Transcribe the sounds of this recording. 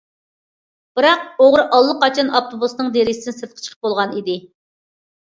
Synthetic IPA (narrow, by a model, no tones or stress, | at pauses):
b̥ɨɾɑq̚oʁɾɨʔɑlˠːəqɑt͡ʃʰɑnɑpt̪ʰobusnɨŋd̪eɾɪsd̪ɪnɪsɨt̪qʰə̥t͡ʃʰə̥qʰə̥p̚bolˠʁɑnid̪ɪ